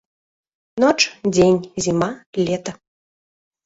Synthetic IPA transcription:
nɔt͡ʂd͡zʲenʲzʲimalʲɛt̪ɐ

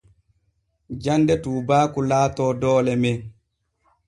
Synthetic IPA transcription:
d͡ʒandɛtuːbaːkulaːtɔːdɔːlɛmɛ

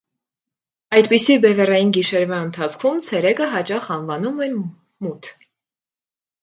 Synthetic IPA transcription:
ɑjt̪pisibɛvɛrɑjinɡiʃɛɾvɑənt̪ʰɑt͡sʰkʰumt͡sʰɛɾɛkəɦɑt͡ʃɑχɑnvɑnumɛn | mut̪ʰ

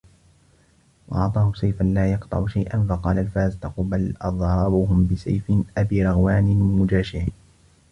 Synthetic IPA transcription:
wɑ̰ʔɑʕt̪ˤɑːhʊsajfanlaːjɑqt̪ˤɑ̰ʕʊʃajʔanfɑqɑːlalfaːzt̪ɑquːbalʔɑðˤɾˤɑbuːɦʊmbɪsa̰jfɪnʔabiːɾˤɑɣwaːnɪmɪnmʊd͡ʒaːʃɪʕiː

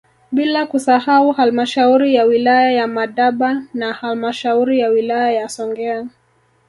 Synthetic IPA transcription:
ɓilakusahauhalmaʃauɾijawilajajamaɗaɓanahalmaʃauɾijawilajajasɔŋɡɛa

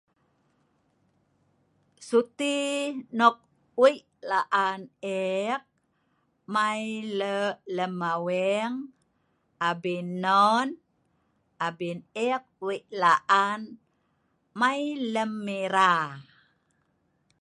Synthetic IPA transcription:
sut̪inok̚ | wiʔlaʔanek̚ | majlələmawɛŋ | abinːon | abinɛk̚wiʔlaʔan | majləmːiɾa

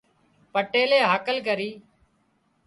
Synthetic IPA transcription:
pəʈeːleːɦaːkəlkəɾiː

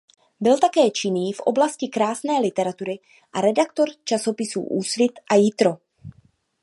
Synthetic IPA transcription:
bɪlt̪akɛːt͡ʃɪniːfʔo̞blascɪkɾaːsnɛːlɪt̪ɛɾat̪uɾɪ | ʔaɾɛdakt̪o̞ɾt͡ʃaso̞pɪsṵːʔuːsvɪt̪ʔajɪt̪ɾo̞

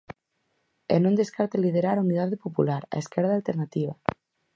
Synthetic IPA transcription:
ḛnõnd̪eskaɾt̪aliðeɾaɾauniðaðepopulaɾa̰eskɛɾð̞alt̪eɾnat̪iβ̞a

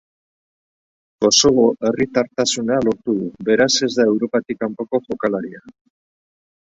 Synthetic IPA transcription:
ɡ̥o̞so̞βo̞ʔe̞rit̪aɾt̪asunalo̞ɾt̪uðube̞ɾase̞zdðae̞wɾo̞pat̪ikampo̞ko̞ʝo̞kalaɾia

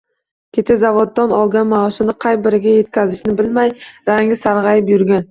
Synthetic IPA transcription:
kʲʰet͡ʃ̪ʰazavod̪ːanɒlˠɡʲanmaɒsɪnɪqʰɑjbɪɾɪɡʲaje̞t̪̚kʲazɪʃnɪbɪlmajɾaŋɪsaɾʁɑjɪpjʊɾɡʲan

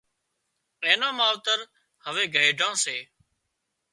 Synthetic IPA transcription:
ẽːnãːmãːʋt̪əɾ | həʋeːɡʱəɪɖʱãːseː

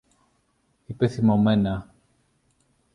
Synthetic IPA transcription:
ipeθimo̞me̞nɐ

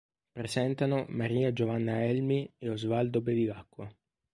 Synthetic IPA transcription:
pɾesɛnt̪anomaɾiːad͡ʒovanːaɛlmieozvald̪obeviɡakːwa

